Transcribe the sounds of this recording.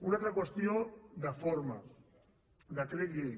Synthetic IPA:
unalt̪ɾakwest̪jod̪afoɾma | d̪akɾeɣe

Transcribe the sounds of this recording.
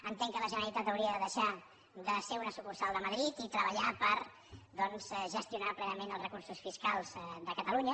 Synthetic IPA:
ənt̪eŋkələʒənəɾəɾit̪at̪əwɾiəðəðəʃa | d̪əseunəsukursalˠd̪əməðɾit̪it̪ɾəβəʎapəɾ | ðɔnzʒəst̪iunaplɛnəmenəlˠzrəkursusfiskalˠzd̪əkət̪əluɲə

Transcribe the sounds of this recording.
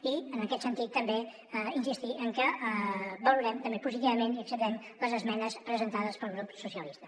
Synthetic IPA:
iənəkɛt̪sənt̪it̪ːəmbe | insist̪iʔəŋkə | bəluɾɛmt̪əmbepuzit̪iβəmeniəksəp̚t̪ɛmləzəzmɛnəspɾəzənt̪aðəspəlˠɣɾupsusiəlist̪ə

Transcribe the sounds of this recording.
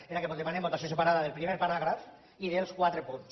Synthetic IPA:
eakepot̪emanembot̪asjosepaɾaðaðelpɾimeɾpaɾaɣɾaf | iðelˠskwat̪ɾepuns

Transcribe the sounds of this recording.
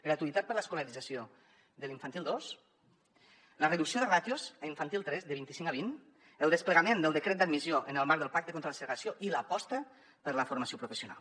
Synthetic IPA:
ɡɾat̪uit̪at̪pəɾləskuləɾid͡zasio | ðəliɱfant̪ilˠd̪os | lərəðuksioðərat̪jozaiɱfant̪ilˠt̪ɾɛzðəβint̪isiŋkaβ̞in | əlˠd̪əspləɣamend̪əlˠd̪əkɾet̪̚d̪ad̪mizjoʔənəlˠmaɾk̚d̪əlˠpak̚t̪əkont̪ɾələsəɣasioʔiləpɔst̪ə | pəɾləfuɾmasiopɾufəsiuna̰lˠ

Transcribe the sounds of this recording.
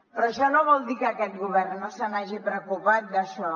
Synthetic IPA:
pɾɔʃɔnoβɔlˠd̪ikəkɛt̪ɣuβɛrnnosənaʒipɾəkupat̪̚d̪əʃɔ

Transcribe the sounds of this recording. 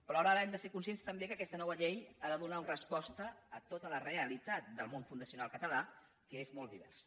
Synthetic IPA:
pɾɔaɾəaɾəɛmd̪əseɾkunsijenst̪əmbekəkɛst̪ənɔβəʎejaðəðunaunrəspɔst̪əːt̪ot̪ələreəlit̪at̪̚d̪əlˠmonfund̪əsiunalˠkət̪əla | kəezmɔlˠd̪iβ̞ɛ̰rs

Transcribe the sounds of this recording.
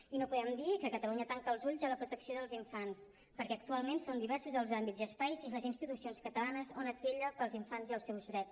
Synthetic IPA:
inopuðɛmd̪ikəkət̪əluɲət̪aŋk̪əlˠzuʎzələpɾut̪əksioðəlˠziɱfans | pəɾkɛək̚t̪ualˠmensond̪iβɛɾsuzðəlˠzambiziəspajziləzinst̪it̪usionskət̪əlanəzonəzβeʎəpəlˠziɱfanziəlˠsɛwzðɾɛts

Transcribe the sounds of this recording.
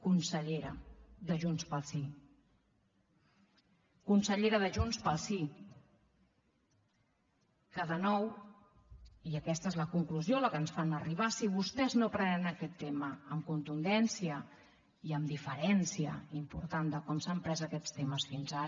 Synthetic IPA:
kunsəʎeɾə̰ðəʒunspəlˠsi | kunsəʎeɾəðəʒunspəlˠsi | kəðənɔw | iəkɛst̪əezləkuŋkluzjoləkənsfanəriβ̞asiβ̞ust̪ɛznopɾɛnənəkɛt̪ːeməːmkunt̪und̪ɛnsiə | iəmd̪ifəɾɛnsiə̰impṵɾt̪and̪əkɔmsəmpɾɛzəkɛst̪eməsfinza

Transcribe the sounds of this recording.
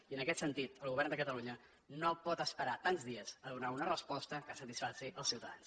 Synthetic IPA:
iənəkɛt̪sənt̪it̪əlˠɣuβɛɾrnd̪əkət̪əluɲə | nopɔt̪əspəɾat̪anzðiəzəðunaunərəspɔst̪əkəsət̪isfasiʔəlˠsiwt̪əðans

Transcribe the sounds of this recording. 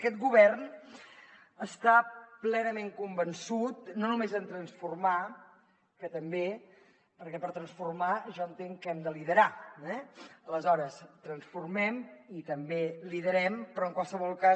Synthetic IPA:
əkɛt̪̚ɡuβɛrn | əst̪aplɛnəmeŋkumbənsut̪̚nonumezənt̪ɾənsfurma | kət̪əmbe | pəɾkɛpəɾt̪ɾənsfurmaʒɔənt̪eŋkɛmd̪əliðəɾaɛələzɔɾəst̪ɾənsfurmɛmit̪əmbeliðəɾɛmpɾɔəŋkwalˠsəβ̞ɔlˠka

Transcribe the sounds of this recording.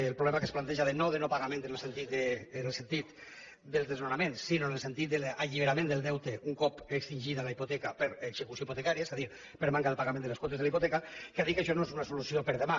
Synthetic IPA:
lˠpɾuβlɛmakesplant̪ɛʒaðenoðenopaɣament̪ənelsent̪it̪enelsent̪it̪ | d̪əlˠzðeznonamensːinoenelˠsent̪it̪̚d̪elaʎiβ̞eɾamẽnd̪əlˠd̪ɛwt̪eʔuŋkɔpekst̪inʲʒit̪alaipot̪ɛkapəɾeɡz̥ekusjoiput̪ekaɾiaezaðiɾ | pəɾmaŋkaðəlpaɣamend̪əleskwɔt̪ezðelaiput̪ɛkakeaðikeʃɔnoezunasulusiopəɾðema

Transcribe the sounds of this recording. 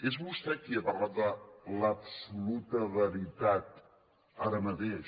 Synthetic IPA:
ezmust̪ɾakiəpəraðələpsulut̪əβəɾit̪at̪̚ | aɾəmət̪eʃ

